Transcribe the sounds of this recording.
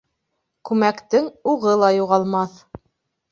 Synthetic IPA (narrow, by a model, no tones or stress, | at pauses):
kʉmækt̪ɘŋuʁɤlˠɑjuʁɑlˠmɑθ